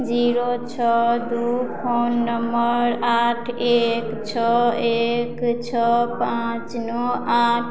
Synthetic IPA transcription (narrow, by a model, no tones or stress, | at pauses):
d͡ʒiɾot͡ʃʰɔd̪upʰonːəmbəɾaʈʰekt͡ʃʰɔekt͡ʃʰɔpãt͡ʃnɔaʈʰ